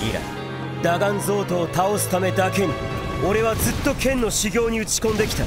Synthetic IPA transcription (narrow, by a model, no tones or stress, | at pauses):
ḭɾa̰ | d̪aɡãnd͡zo̞ːt̪o̞ːt̪ao̞sɨ̥t̪ame̞d̪ake̞ɲ̟i | o̞ɾe̞β̞ad͡zɨt̪ːo̞kẽ̞nːo̞ɕiɡʲo̞ːɲ̟iɯ̟t͡ɕi̥kõ̞nd̪e̞kʲi̥t̪a